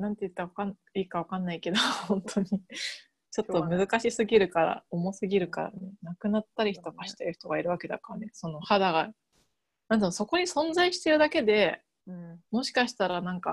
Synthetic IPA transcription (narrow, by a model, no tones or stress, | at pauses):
nãnt̪e̞jɯ̟t̪ːaβakan | iːkaβ̞akanːaike̞d̪ohõ̞nt̪ʰo̞ɲ̟i | t͡ɕo̞t̪ːo̞mɯ̟zɨkaɕisɨɡʲiɾɯ̟kaɾa̰omo̞sɨɡʲiɾɯ̟ka̰ɾa̰nenakɯ̟nat̪ːaɾʲiçi̥t̪o̞kaɕi̥t̪eɾɯ̟çi̥t̪o̞ɡaiɾɯ̟βake̞d̪a̰kaɾane̞so̞no̞had̪aɡa | nãnd̪anoso̞ko̞ɲ̟isõ̞nd͡zaiɕi̥t̪e̞ɾɯ̟d̪ake̞d̪e̞ | mo̞ɕi̥kaɕi̥t̪aɾanãŋka̰